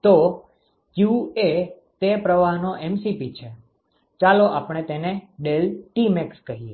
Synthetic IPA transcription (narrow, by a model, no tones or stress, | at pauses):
t̪o | kjue | t̪epɾəʋaɦnoʔɛmsipit͡ʃʰe | t͡ʃaloʔapɳ̃et̪eneɖelʈimɛkskəɦie